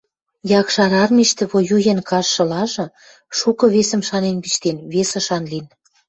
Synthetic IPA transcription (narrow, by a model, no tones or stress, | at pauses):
jɑkʃɑɾɑrmiʃt̪ĕβojujenkɑʃːɤ̆lɑʒɤ̆ | ʃukɤ̆βesə̆mʃɑnenpit͡ɕt̪enβesə̆ʃɑnlin